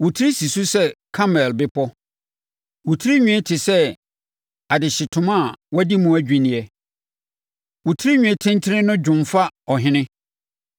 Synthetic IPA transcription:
wʊ˨tʰi˦ɾi˦si˨su˦sɛ˦kʰa˦mɛ˨lbɪ˦pʰɔ˦ | wʊ˨tʰi˦ɾi˦ɲᶣũ˦ɛ̃˦tʰɪ˨sɛ˦ | a˨dɪ˨ɕɪ˨tʰʊ̃˨mã˦˨wɔ˦di˦mũ˦æ˦d͡ʑᶣĩ˨nɪ̃˨ɛ˨ | wʊ˨tʰi˦ɾi˦ɲᶣũ˨ɛ̃˦tʰɪ̃˦n˦tʰɪ˦ɾɪ̃˦nʊ̃˦d͡ʑᶣʊ̃˨mfa˦ɔ˨ɦɪ̃˦nɪ̃˦

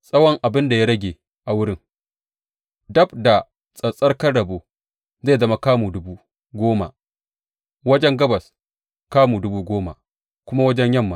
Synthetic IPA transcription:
sʼɐ˦wɔ˦ŋʔa˨bɪ˦nda˨ja˦ɽɐ˦ɡʲe˨ | ʔa˨wʊ˦ɽɪ˦ŋ | dɐ˦bda˨ | sʼɐ˨sʼɐ˦rkɐ˦ɽɐ˨boː˨ | zeː˦˨zɐ˦ma˦kaː˦mu˨dʊ˦buː˦ | ɡʷoː˦ma̰˨ | wɐ˦d͡ʒɛ˦ŋɡɐ˦bɐ˨s | kaː˦muː˨dʊ˦buː˦ɡʷoː˦ma̰˨ | kʷʊ˦ma˦wɐ˦d͡ʒɛ˦ɲjɐ˦˨mːa˨

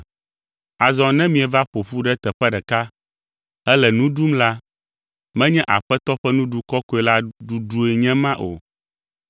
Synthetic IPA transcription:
a˨zɔ̃˨nɛ̃˦mĩ˦ɛ˨va˦ɸo˨ɸu˦ɖɛ˦t̪ɛ˨ɸɛ˦ɖɛ˨ka˦ | ɛ˦lɛ˨nũ˦ɖu˦mla˦ | mɛ̃˦ɲɛ̃˦ʔa̰˨ɸɛ˦t̪ɔ˦ɸɛ˦nũ˦ɖu˦kɔ˦ko˦e˨la˦ɖu˦ɖu˦e˨ɲɛ̃˦mã˦ʔo̰˨

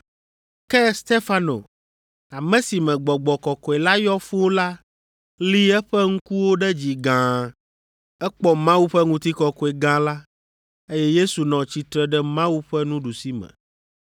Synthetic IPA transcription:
kɛ˦st̪e˦fa˦no̰˨ | a˨mɛ̃˨si˨mɛ̃˨ɡ͡bɔ˨ɡ͡bɔ˨kɔ˨kɔ˨ɛ˨la˦jɔ˦fu˦wo˦la˦ | li˦ɛ˦ɸɛ˦ŋ̩˦ku˦wo˦ɖɛ˦d͡ʑi˨ɡã˨ | ɛ˦k͡pɔ˦mã˦wu˦ɸɛ˦ŋũ˦t̪i˦kɔ˨kɔ˨ɛ˨ɡã˦la˦ | e˦jɛ˦je˦su˨nɔ̃˨t͡ɕi˨t̪ɾɛ˦ɖɛ˦mã˦wu˦ɸɛ˦nũ˦ɖu˨si˦mɛ̰̃˨

